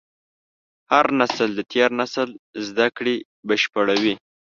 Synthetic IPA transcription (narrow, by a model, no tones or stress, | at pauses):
haɾnasəld̪ət̪ʰjɑɾnasəlzd̪akɽe | bəʃpəɽawi